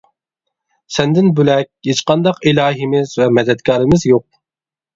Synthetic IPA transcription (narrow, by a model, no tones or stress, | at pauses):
sɛnd̪ɪnbølɛk̚ʲhet͡ʃqɑnd̪ɑqilˠɑːɦimɪzvɛmɛd̪ɛt̪kʰɑːɾɪmɪzjoq̚